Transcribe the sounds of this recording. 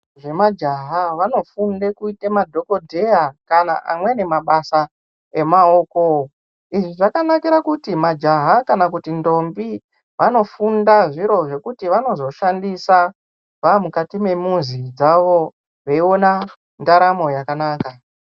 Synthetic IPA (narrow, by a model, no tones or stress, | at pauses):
ʐe̞mad͡ʒaɦaʋano̞funde̞kuitemadʱo̞ko̞dʱe̞akana̰ʔa̰mwe̞ne̞maɓasa | e̞mao̞ːko | iʐiʐakanakiɾakutimad͡ʒaɦakanakutindo̞mbi | ʋano̞fundaʐiɾo̞ʐe̞kutiʋano̞zo̞ʃandisa | ʋamukatime̞muzid͡zaʋo̞ | ʋeio̞na | ndaɾamo̞jakanaːka